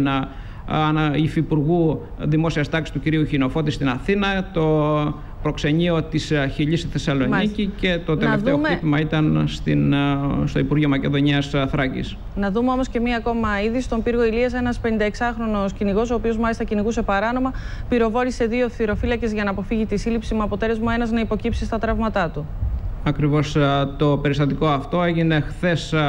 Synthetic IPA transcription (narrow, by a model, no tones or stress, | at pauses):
n | nɐifipuɾɣu | ðimo̞siɐst̪ɐksi̥st̪uciɾiuçino̞fo̞t̪ist̪inɐθinɐt̪o̞ | pɾo̞kse̞ɲio̞t̪isçiʎist̪iθe̞sɐlo̞nicice̞t̪o̞t̪eefomit̪imɐit̪ɐnst̪inst̪oipuɾʝiomɐce̞ðo̞ɲiɐsθɾɐcḭs | nɐðumeo̞mo̞sce̞miɐko̞mɐiðist̪o̞mpiɾɣo̞iliɐse̞nɐspe̞nind̪ɐeksɐxɾo̞no̞sciniɣo̞so̞ːpio̞zmɐlist̪ɐciniɣuse̞pɐɾɐno̞mɐpiɾo̞vo̞ɾise̞ðio̞θiɾo̞filɐce̞zʝɐnɐːpo̞fiʝit̪isilipsimuɐpo̞t̪e̞le̞zmue̞nɐznɐipo̞cipsist̪ɐt̪ɾɐvmɐt̪ɐt̪u | ɐkɾivo̞st̪o̞pe̞ɾist̪ɐt̪iko̞ɐft̪o̞e̞ʝine̞xθe̞s